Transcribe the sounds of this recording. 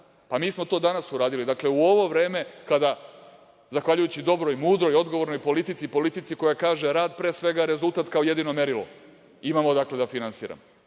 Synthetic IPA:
pamiːsmo̞t̪o̞ːd̪anasuɾaːd̪ilid̪akle̞uo̞ʋo̞ʋɾe̞ːme̞kad̪a | zaxʋaʎujut͡ɕid̪o̞bɾo̞jmuːd̪ɾo̞jo̞d̪ɡoʋo̞ɾno̞jpo̞lit̪it̪sipo̞lit̪it̪siko̞jakaːʒe̞ɾaːd̪pɾe̞ːsʋe̞ɡaɾe̞zult̪at̪kao̞je̞d̪ino̞me̞ɾilo̰ | imamo̞d̪akle̞d̪afinansḭːɾa̰m

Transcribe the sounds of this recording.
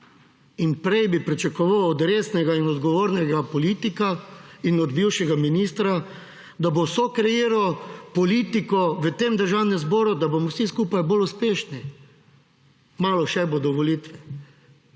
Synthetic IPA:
inpɾɛjbipɾit͡ʃɛkɔʋawɔd̪ɾesnɛɡainɔd̪ɡɔʋoːɾnɛɡapɔlit̪ikainɔd̪biwʃɛɡaminist̪ɾa | d̪abowsokɾɛjeːɾawpɔlit̪ikɔʋət̪emd̪əɾʒawnɛmzbɔːɾud̪abomɔwsiskuːpajboluspeːʃni | maːlɔʃɛbod̪ɔʋɔlit̪ʋɛ

